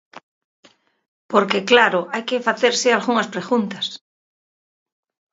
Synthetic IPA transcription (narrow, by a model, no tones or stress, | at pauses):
poɾkeklaɾoʔajkefaθeɾsealɣuŋaspɾeɣunt̪ḁs